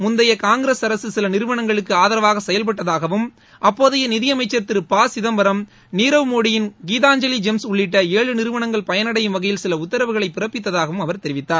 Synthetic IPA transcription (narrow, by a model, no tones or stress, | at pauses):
mʊnd̪ɐjɐkaːŋɡɪɾesɐɾɐsɯsɪlɐnɪɾɯʋɐɳɐŋɡɐɭɯkːɯaːðɐɾɐʋaːɣɐsɛjɐlp̬ɐʈːɐðaːɣɐʋɯm | ʔɐpːoːðɐjɐnɪðɪjɐmɐɪt͡ʃːɐt̪ːɪɾpaːsɪðɐmbɐɾɐm | niːɾɐʋmoːɽɪjɪnɡiːðaːɲd͡ʒɐlid͡ʒɛmsʊɭːɪʈːɐeːɭɯnɪɾɯʋɐɳɐŋɡɐɭpɐjɐnɐɽɐjɯmʋɐɣɐjɪlsɪlɐʊt̪ːɐɾɐʋɯɣɐɭɐɪpːɪɾɐpːɪt̪ːɐðaːɣɐʋɯmɐʋɐɾt̪ɛɾɪʋɪt̪ːaːɾ